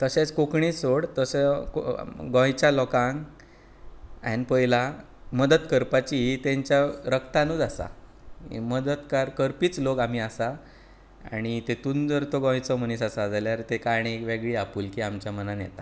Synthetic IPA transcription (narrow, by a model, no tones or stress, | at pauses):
t̪əɕet͡skokɳisoɽt̪əsə | ɡɔ̃jt͡ɕalɔkãŋɡ | a̰nipəila | məd̪ət̪kəɾpat͡ɕit̪ẽɲt͡ɕjaɾəkt̪anuːd͡zasa̰ | məd̪ət̪kaɾkəɾpiːt͡slokam̤iːasa | a̰ɽ̃it̪et̪ũnd͡zəɾt̪oɡɔ̃jt͡sɔm̤ənisasad͡zaljaɾt̪ekaɽ̃iekʋeɡɭiːapuːlkiːamt͡ɕjamənanjɛt̪a